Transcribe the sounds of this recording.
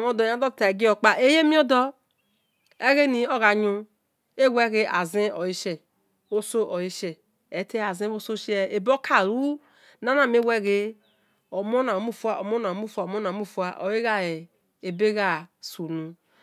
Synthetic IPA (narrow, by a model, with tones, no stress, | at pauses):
m˦o˦dɔ˨˦a˦dɔ˦tta˨e˨ɡi˦ɔ˨k͡pa˨ʔe˦je˦mĩ˦ɔ˦dɔ˦ | e˦ɣe˦nĩ˨ɔ˦ɣa˨ɲũ˧ | e˦wɛ˦ɣe˦a˨zẽ˦ɔ˨ji˦ʃɛ˨ | o˦so˦ʔɔ˨ji˦ʃɛ˨ | e˨˦te˦a˨zĩ˦o˦so˦ʃɛ˨e˨bo˦kʰa˦˨ɾu˦ | na˦na˦˨me˦wɛ˦ɣe˦ | ɔ˨mo˦na˨mu˦˨fu˨˦a˨o˨mo˦na˨mu˦˨fu˦a˨mo˦na˨mu˦fu˨˦a˨ʔo˨je˦ɣa˦e˨ | e˨be˦ɣa˦˨su˨nũ˨